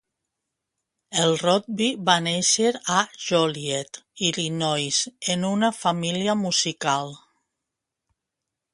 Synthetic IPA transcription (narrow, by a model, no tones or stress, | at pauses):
elˠrɔt̪̚biβaneʃəɾaʒɔliet̪ilinɔjsenunafamiliamuzikalˠ